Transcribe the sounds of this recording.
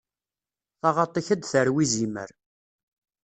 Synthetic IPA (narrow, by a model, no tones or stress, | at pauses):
θɑʁɑt̪ˤːiçəd̪θəɾwizimə̰ɾ